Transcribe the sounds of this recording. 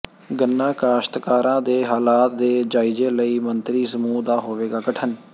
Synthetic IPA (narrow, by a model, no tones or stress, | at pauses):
ɡənːãːkaːʃt̪kaːɾãːd̪eːɦaːlaːt̪̚d̪eːd͡ʒaːɪd͡ʒeːləiːmənt̪ɾiːsəmuːd̪aːɦoːʋeːɡaːɡəʈʰən